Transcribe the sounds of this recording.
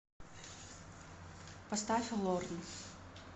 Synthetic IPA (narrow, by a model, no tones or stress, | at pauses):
pɐst̪afʲɪlˠɔrn